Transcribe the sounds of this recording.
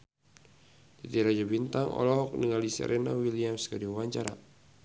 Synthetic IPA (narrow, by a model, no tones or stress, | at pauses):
dit̪iɾad͡ʒabint̪aŋɔ̰lɔɦɔk̚niŋalisɛ̰ɾʔɛnawiliamskadiuwaɲt͡ʃaɾa̰